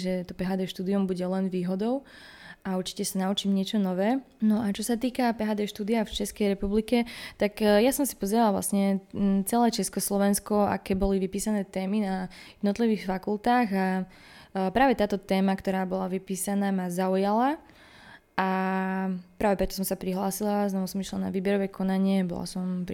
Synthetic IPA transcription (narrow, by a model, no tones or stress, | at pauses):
ʒɛt̪ɔpɛɦaːd̪ɛːʃt̪uːd̪iumbuɟɛlɛnʋiːɦɔd̪ɔʊ | ʔauɾt͡ʃi̥cɛsanaut͡ʃiːmɲɪɛt͡ʃɔnɔʋɛː | nɔʔat͡ʃɔsat̪iːkapɛɦaːd̪ɛːʃt̪uːd̪iaft͡ʃɛskɛjɾɛpublikɛt̪aɡjasɔmsi̥pɔzɛɾalˠʋla̰sɲɛt͡sɛlɛːt͡ʃɛskɔslɔʋɛnskɔa̰kɛːbɔliʋipiːsanɛːt̪ɛːminajɛd̪nɔt̪liʋiːxfakult̪aːɣa | pɾaːʋɛt̪aːt̪ɔt̪ɛːmakt̪ɔɾaːbɔlaʋipiːsanaːmazaujala | ʔa | pɾaːʋɛpɾɛt̪ɔ̥s̬ɔmsapɾiɦlaːsilaznɔʋusɔmiʃlana̰ʋiːbɛɾɔʋɛːkʰɔnaɲɪɛbɔ̰la̰sɔmp